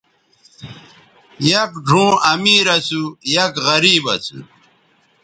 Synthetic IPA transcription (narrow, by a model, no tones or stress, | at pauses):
jɐkɖʱũːɐmiːɾɐsujɐkɣɐɾiːbɐsṵ